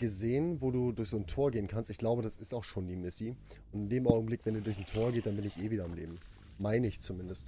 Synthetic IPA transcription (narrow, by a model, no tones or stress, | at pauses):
ɡ̥əzeːənvoːduːdʊɐçz̥oːntʰoːɐɡeːənkʰanstɪçɡ̥laʊbəɾasɪstaʊxʃoːndiːmɪsi | ʔʊntɪndeːmʔaʊɡŋ̩blɪkv̥ɛndudʊɐçn̩tʰoːɐɡeːtd̥anbɪnɪçʔeːviːdɐamlḛːbm̩ | maɪnəɪçt͡sumɪndəst